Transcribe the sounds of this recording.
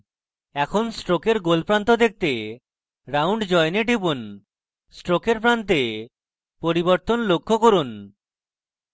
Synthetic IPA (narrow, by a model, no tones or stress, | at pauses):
ɛkʰonsʈɾokeɾɡolpɾant̪od̪ek̚t̪e | ɾawɳɖd͡ʑɔeneʈibun | sʈɾokeɾp̬ɾant̪e | poɾiboɾt̪onlokʰːokoɾun